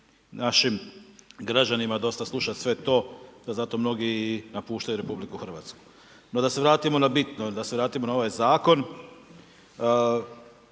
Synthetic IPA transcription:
naʃimɡɾad͡ʑanimad̪o̞st̪aslˠuʃat̪sʋe̞t̪o̞ːd̪azat̪o̞mno̞ɡinapuːʃt̪ajuɾe̞publikuxɾr̩ʋa̰t̪sku̥ | nod̪ase̞ʋɾaːt̪imo̞nabit̪nod̪aseʋɾaːt̪imo̞nao̞ʋajzaːko̞n

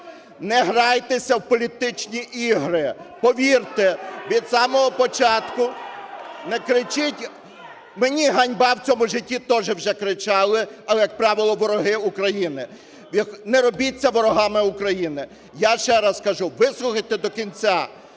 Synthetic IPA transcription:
nɛɦɾɑjt̪esʲɐwpɔlʲit̪ɪt͡ʃnʲiʔiɦɾɪpɔʋʲirt̪eʋʲid̪sɑmɔɦɔpɔt͡ʃɑt̪kʊ | nɛkɾɪt͡ʃɪtʲ | menʲiɦɐnʲbɑwt͡sʲɔmʊʒɪtʲːit̪ɔʒɛwʒɛkɾɪt͡ʃɑlˠɪɐlˠɛjɐk̚pɾɑʋɪlˠɔʋɔɾɔɦɪukɾɐjinɪ | jɐknɛɾɔbʲit͡sʲːɐʋɔɾɔɦɑmɪukɾɐjinɪ | jaʃt͡ʃɛɾaskɐʒuʋɪslˠʊxɐjt̪ed̪ɔkʲinʲt͡sʲa

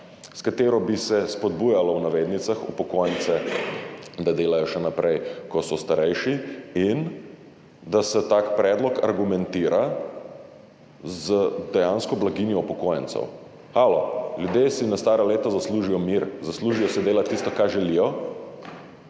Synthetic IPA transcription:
skat̪eːɾɔbisɛspɔd̪̚bujalɔwnaʋeːd̪nit̪saxṵpɔkojənt̪sɛ | d̪ad̪eːlajɔʃɛnapɾʔɛjkɔsɔst̪aɾɛjʃiin | d̪asɛt̪aːkpɾɛːd̪lɔka̰ɾɡumɛnt̪iɾa | zəd̪ɛjaːnskɔblaɡinjɔupɔkoːjə̰nt̪sɛ̰w | xalɔljud̪jeːsinast̪aːɾaleːt̪ɔzasluʒijɔmiɾzasluːʒijɔsɛd̪eːlat̪ːist̪ɔkaʒɛlijɔ

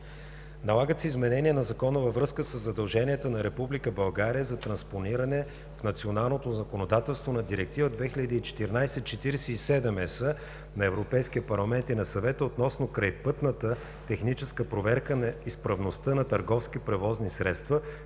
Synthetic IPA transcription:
nɐlˠaɡət̪sɛizmɛnɛniɛnɐzɐkɔnəvəvɾɤskəsəzːɐd̪ɐlˠʒɛniət̪ənɐɾɛpublikəbɐlˠɡaɾijəzɐt̪ɾɐnsponiɾɐnɛ | fnɐt̪sionalˠnot̪ozɐkonod̪at̪ɛlˠst̪vonɐd̪iɾɛk̚t̪ivəd̪vɛxilʎəd̪iːt͡ʃɛ̥t̪iɾnajsɛt͡ʃɛt̪iɾɛsɛisɛd̪ɛmɛsə | nɐɛvɾopɛjskiəpɐɾlˠɐmɛnt̪inɐsɐvɛt̪əot̪nɔsnokɾajpɤt̪nət̪ə | t̪ɛxnit͡ʃɛskəpɾovɛɾkənɐispɾɐvnost̪ənɐt̪əɾɡɔfskipɾɛvɔznisɾɛt̪st̪və

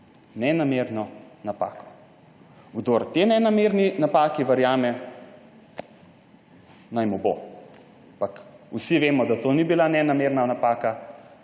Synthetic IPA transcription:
nɛnameɾnɔnapa̰ːkɔ̥ | ɡd̪oɾt̪enɛnameːɾninapaːkiʋɐɾjaːmɛ | najmɔbo̰ | ampakusiʋeːmɔd̪at̪oːnibilanɛnameɾnanapaːka

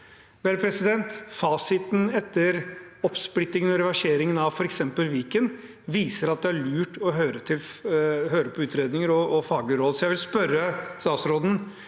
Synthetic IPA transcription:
ʋeːɾəpʰɾɛsɪd̪ɛnt̪fɑːsɪt̪n̩ɛt̪ːəɾɔpsplɪt̪ːɪŋənɔɾɛʋæʂeːɾɪŋənɑʋfɔɾɛksɛmpəlʋiːkən | ʋiːsəɾɑt̪̚d̪ɛæɭʉːʈɔɦøːɾət̪ʰɪlɦøːɾəpʰɔʉːt̪ɾeːd̪nɪŋəɾɔɔfɑːɡlɪəɾɔd̪sɔjæɪʋɪlspœɾːəst̪ɑːt̪sɾoːd̪n̩

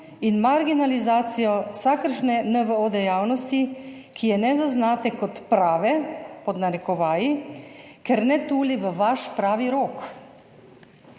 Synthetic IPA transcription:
inmaɾɡinalizaːt̪sijɔsakəɾʃnɛnəʋəoːd̪ɛjaːwnɔst̪i | kʰijɛnɛzaznaːt̪ɛkɔt̪pɾaːʋɛpɔd̪naɾɛkɔʋaːji | kɛɾnɛt̪uːliʋəʋaʃpɾaːʋiɾoːk

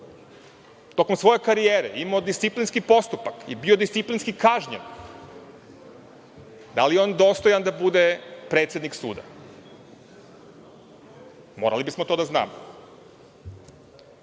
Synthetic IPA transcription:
t̪o̞komsʋo̞je̞kaɾijeːɾḛimod̪ist̪siplinskipo̞st̪upakḭbio̞d̪ist̪siplinskikaʒɲḛn | d̪alijeo̞ːnd̪o̞st̪ojand̪abud̪epɾe̞ːt̪sʲjed̪niksṵːd̪a̰ | mo̞ːɾa̰libismot̪od̪azna̰ːmo̰

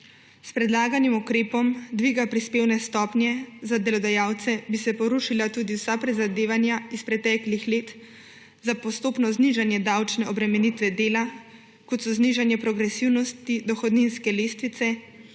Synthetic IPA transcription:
spɾɛd̪laːɡanimukɾeːpɔmd̪ʋiɡapɾispeːwnɛst̪ɔːpnjɛzad̪ɛlɔd̪ajaːwt̪sɛbisɛpɔɾuʃilat̪ud̪iwsapɾizad̪eːʋanjaispɾɛt̪ɛːklixleːt̪ | zapɔst̪oːpnɔzniʒanjɛd̪awt͡ʃnɛɔbɾɛmɛnit̪ʋɛd̪eːla | kɔt̪sɔzniʒanjɛpɾɔɡɾɛsiwnɔst̪id̪ɔxɔd̪ninskɛleːst̪ʋit̪sɛ

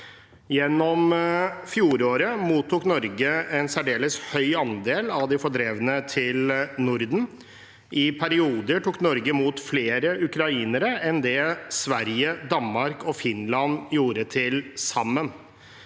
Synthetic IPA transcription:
jɛnːɔmfjuːɾoːɾəmuːt̪ʰːuːknɔɾɡəɛnsæɖeːləshœʏɑnd̪eːlɑʋd̪ɪfɔɖɾeːʋənət̪ʰɪlnʊɾd̪n̩ | ʔɪpʰæɾɪuːd̪əʈukːnɔɾɡəmuːt̪fleːɾəʉkɾɑiːnəɾəʔɛnd̪ɛːsʋæɾjəd̪ɑnmɑɾkɔfɪnlɑnjuːɾət̪ʰɪlsɑmːən

